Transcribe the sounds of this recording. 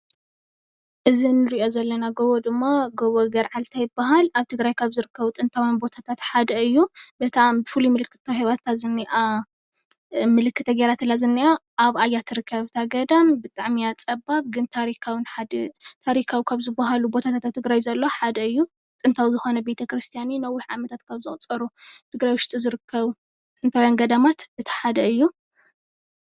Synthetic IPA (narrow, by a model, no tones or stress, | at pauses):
ʔɨzinɨɾiʔo̞zɐlːɐnaɡoβod̪ɨmːaɡoβoɡɐɾʕalt̪ʰajɪbːaɦalaβt̪ʰɨɡɾajkʰaβzɨɾɨkʰːɐβut̪ʼɨnt̪ʰawinbo̞t̪ʰat̪ʰat̪ħad̪ɐɨjːubɨt̪ʰambɨfɨlumɨlɨkʰːɨ̥t̪ʰːahiβat̪ʰːazɨnːiʔa | mɨlɨkːɨt̪ʰːɐɡeɾat̪ɨlːazɨnːiʔaʔaβajːat̪ʰɨɾɨkʰːɐβt̪ʰaɡɐd̪ambɨt̪ʼaʕmiat͡sʼɐbaβɡɨnt̪ʰaɾikʰawinħad̪t̪ʰaɾikʰawikʰaβzɨbːaɦalubo̞t̪ʰat̪ʰat̪aβt̪ʰɨɡɾajzɐlːo̞ħad̪ɐɨjːu | t̪ʼɨnt̪ʰawizɨxo̞nɐbe̞t̪ʰɐkɾɨst̪ʰijaninɐwːiħʕa̰mɐt̪ʰat̪kʰaβzɨχʼt͡sʼɐɾut̪ʰɨɡɾajwʃt͡sʼizɨɾɨkʰːɐβ | t̪ʼɨnt̪ʰawjanɡɐd̪amat̪bɨt̪ʰɐ̥ħad̪ɐɨjːu